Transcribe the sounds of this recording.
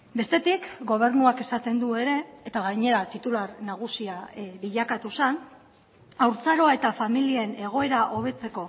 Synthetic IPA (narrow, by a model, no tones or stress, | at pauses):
be̞st̪e̞t̪ikɡo̞β̞e̞ɾnuake̞sat̪e̞nd̪ue̞ɾe̞ːt̪aɣajɲe̞ɾat̪it̪ulaɾnaɣ̞usiaβiʎakat̪usan | awɾt͡saɾo̞ae̞t̪afamiliene̞ɣ̞o̞e̞ɾaʔo̞β̞e̞t͡se̞ko̞